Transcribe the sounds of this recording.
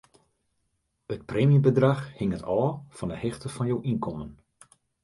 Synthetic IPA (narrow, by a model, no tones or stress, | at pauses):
ət̚preːmibədraxhɪŋətʰɔːfɔndəhɪxtəfɔnjowʔinkɔmən